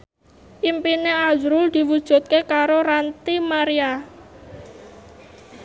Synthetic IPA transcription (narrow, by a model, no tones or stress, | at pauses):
ʔimpineazɾʊld̪̥i̤wud̥ʒ̥ṳt̪̚kekaɾoɾant̪imaɾia